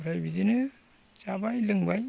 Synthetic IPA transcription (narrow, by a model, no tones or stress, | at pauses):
ɾajbizinɯ | t͡ʃabajlɯŋbaj